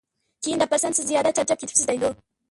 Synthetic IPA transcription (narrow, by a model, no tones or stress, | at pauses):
kʲʰejɪnd̪apːasansɪzzijɑd̪at͡ʃaɾt͡ʃɑp̚kʲet̪ɪ̥psɪzd̪ajd̪o